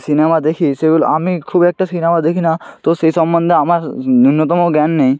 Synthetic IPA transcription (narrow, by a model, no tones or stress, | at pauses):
sinemad̪ekʰiseɡolo̰amikʰubiɛk̚ʈasinemad̪ekʰinat̪oʃejʃɔmbond̪eamaɾunːot̪ɔmoɡɛnːej